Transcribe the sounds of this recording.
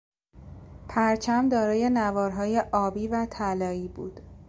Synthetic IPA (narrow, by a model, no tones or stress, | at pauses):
pʰæɾt͡ʃʰæmd̪ɒːɾɒːje̞nævɒːɾɦɒːje̞ʔɒːbiːvæt̪ʰælɒːiːbṵːd̪̥